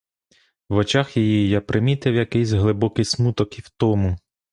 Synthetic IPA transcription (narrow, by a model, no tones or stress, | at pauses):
ʋɔt͡ʃaxjejijapɾɪmʲit̪ɪwjɐkɪjsʲɦlˠɪbɔkɪsmut̪ɔkiwt̪ɔmu